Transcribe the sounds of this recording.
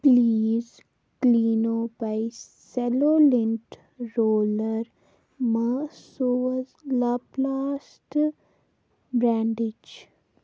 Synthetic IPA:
pliːz | kliːnoːbaɪ | sɛloːlɪ̃ɳʈ | ɾoːləɾ | masoəzlaplaːs | ʈ | bɾãːɳɖɪd͡ʒ

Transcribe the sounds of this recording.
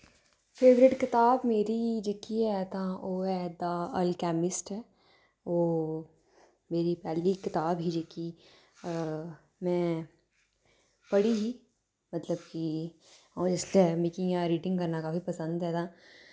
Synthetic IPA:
fʰeːʋɾɪʈkɪt̪aːbmeːɾid͡ʒeːkiɦɛt̪ãoːɛd̪aəlkɛːmɪsʈɦɛː | oː | meːɾipɛːlikɪt̪aːbɦid͡ʒeːki | mɛ̃ː | pɐɽiɦi | mɐt̪ləbki | ɔːɾɪslemɪkĩjãɾiːʈɪ̃ŋɡkɐɾnakaːfipɐsə̃nd̪ɦɛːt̪aː

